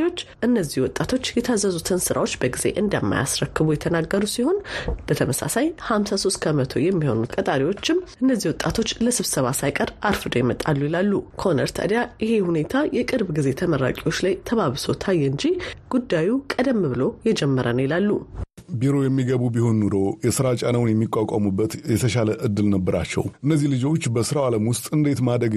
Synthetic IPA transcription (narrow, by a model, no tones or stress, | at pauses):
wo̞t͡ʃːʔɨnːəzːihwɔt̪ʼːat̪ʰo̞t͡ʃːjɛt̪ʰazəzut̪ʰɨnsɨɾʔa̰wo̞t͡ʃːbəɡize̞̰ʔɨnd̪əmːa̰ja̰sɾəkːɨβujɛt̪ʰənaɡːəɾusiho̞nb̥ət̪ʰəməsa̰sajhamsaso̞st̪kʰəmət̪ʰo̰jɛmːiho̞̰nut̪kʼət̪ʼaɾiwo̞t͡ʃːɪmɨnːəzːihwɔt̪ʼat̪ʰo̞t͡ʃːləsɨβsəβasajkʼəɾaɾfɨd̪ojɛmət̪ʼa̰lːujilalːukʰəonə̰ɾt̪ʰə̰d̪jaʔɪhe̞hune̞t̪ʰajɛkʼɨɾbɡize̞t̪ʰəməɾːa̰kʼiwo̞t͡ʃːlajt̪ʰəβaβɨso̞t̪ʰajːɛɨɲd͡ʒiɡ̥ud̪ːajukʼəd̪əmːβɨlo̞jɛd͡ʒɛmːəɾənəwjilalːubiɾo̞jɛmːiɡəβubiho̞nːuɾo̞jɛsɨɾat͡ʃʼanawʊnjɛmːikʼːakʼamubːət̪jɛt̪ʰəʃaləʔɨd̪ːɨlnəbːəɾa̰t͡ʃːɛ̰wɨnːəzːihlɨd͡ʒo̞t͡ʃːbəsɨɾawaləmwʊst̪ʼɨnd̪e̞t̪mad̪ɾəɡ